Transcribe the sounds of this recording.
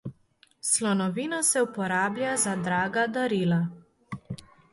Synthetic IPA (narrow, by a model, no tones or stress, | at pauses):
slɔnɔʋiːnɔsɛupɔɾaːblʲjazad̪ɾaːɡad̪aɾiːla